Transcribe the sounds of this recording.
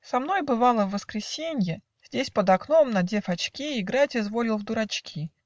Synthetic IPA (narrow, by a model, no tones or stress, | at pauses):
sɐmn̪o̞jbɨvɑlˠəvːəskɾʲɪsʲenʲjɪ | z̥ʲdʲesʲpəd̪ɐkno̞mnɐdʲefɐt͡ɕkʲiɪɡɾatʲɪzvo̞lʲɪlˠvd̪ʊɾɐt͡ɕkʲʰi